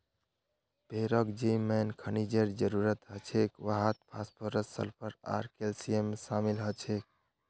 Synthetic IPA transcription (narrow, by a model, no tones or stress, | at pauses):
bʱeɾəkd͡ʒimɛnkʰənid͡ʒeɾd͡ʒəɾuɾət̪ɦət͡ʃʰekʋaɦət̪̚pʰaspʰəɾəssə̰lpʰəɾa̰ɾkelsiemːesamilɦət͡ʃʰek̚